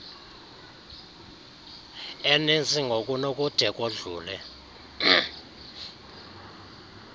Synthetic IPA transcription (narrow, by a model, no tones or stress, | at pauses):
enend͡zʱʼiŋɡʱokʼunokʼud̥ʱɛkʼoɮuːlɛ